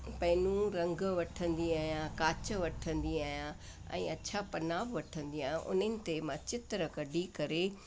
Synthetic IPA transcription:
pɐ̃ɪnũɾɐ̃ŋɡʋɐʈʰə̃nd̪iaːɦjãkaːt͡ɕəʋɐʈʰə̃nd̪iaːɦjã | ɛ̰̃ːɐt͡ɕʰapɐnaːbʋɐʈʰə̃nd̪iaːjãʔʊ̰nənɪ̆t̪emãt͡ɕɪt̪ɾəkɐɖikɐɾe

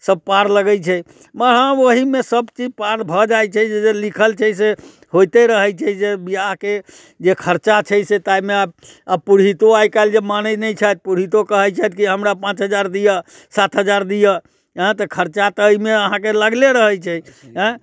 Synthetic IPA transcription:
səb̚paɾləɡəjt͡ʃʰɛ | məɾɦãoɦimesəbt͡ʃid͡ʒpaɾbʱəd͡ʒajt͡ʃʰɛd͡ʒed͡ʒelikʰəlt͡ʃʰɛs̬e | hojt̪eɾəɦəjt͡ʃʰɛsebijaɦke | d͡ʒekʰəɾt͡ʃat͡ʃʰəset̪ajmeab | apuɾɦit̪oajkald͡ʒemanənəjt͡ʃʰajt̪̚puɾɦit̪okəɦəjt͡ʃʰajt̪̚kiɦəmɾapãt͡ʃɦəd͡ʒaɾd̪ijə | sat̪ʰɦəd͡ʒaɾd̪ijə | ɦɛ̃t̪əkʰəɾt͡ʃat̪əimeəɦãkeləɡleɾəɦəjt͡ʃʰɛɦɛ̃

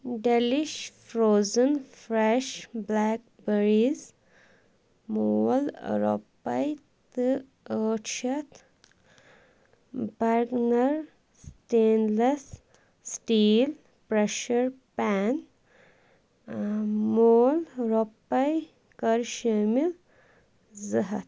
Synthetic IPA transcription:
ɖeliʃfɾoːzənfɾeʃblaːk̚ | beɾiz | moːlɾo̰pːɐj | t̪ɨ | əːʈʃɐt̪ | baɾɡnɐɾ | sʈeːnles | sʈiːl | pɾeʃɐɾpan | moːlɾopːɐj | kɐɾʃemil | zɐɦɐt̪

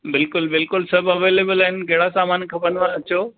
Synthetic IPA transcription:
bɪlkʊlbɪlkʊlsɐbʱɐʋeːleːbəlɐɦɪnkɐɦɪɽasaːmaːnkʰɐbənʋãɐt͡ɕoː

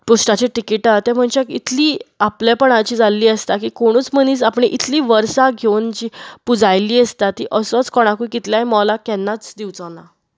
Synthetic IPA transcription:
pusʈat͡ɕeʈikiʈat̪ɛ̃m̤əɳt͡ɕakit̪liːapljapəɳ̃at͡ɕiːd͡zalːiːəst̪akiːkoɽ̃uːt͡sm̤əniːt͡sapɳ̃iʔit̪ʰliːʋəɾsaɡʱewnd͡ʑipud͡zajliːəst̪at̪ːḭʔəsɔt͡skɔɽ̃akujkit̪ljaimɔlakɛnːat͡sd̪iwt͡sɔna

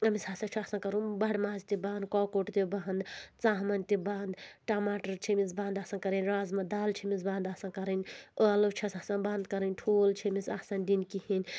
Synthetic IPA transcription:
ɐmisaːsɐt͡ʃʰiasɐnkɐɾunbɐɽmaːzt̪ibaːnd̪̚kɔːkoʈt̪ibaːnd̪t͡saːɦmɐnt̪ibaːnd̪ʈamaːʈɐɾt͡ʃʰimisbaːnd̪aːsɐnkɐɾɐnʲɾaːzmɐd̪aːlt͡ʃʰimisbãːnd̪asɐnkɐɾɐnʲəlɐt͡ʃʰiɐsasɐnbaːnd̪̚kɐɾənʲʈʰoːlt͡ʃʰimisa̰sɐnd̪inkihinʲ

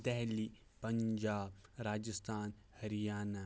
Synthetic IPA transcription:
t̪ɛɦli | pɐɲd͡ʒaːbɾaːd͡ʒəst̪ʰaːn | hɐɾijaːna

